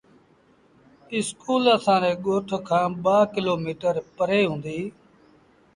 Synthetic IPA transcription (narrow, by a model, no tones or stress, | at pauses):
ɪskuːləsãːnẽːɠoːʈʰkʰãːɓaːkɪloːmiːʈəɾpəɾeːɦũːnd̪iː